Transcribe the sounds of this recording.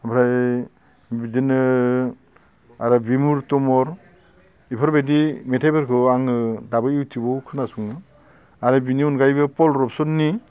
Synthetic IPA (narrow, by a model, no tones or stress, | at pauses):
abʰɾaj | bidinɯ | aɾɯbimuɾtɔmɔɾ | ipʰɔɾbedimetʰebeɾkʰɯaŋɯdabɯiwtibɔwkʰɯnasuŋɯ | aɾɯbiniunɡajbɯpɔlɾɔpsɔnːi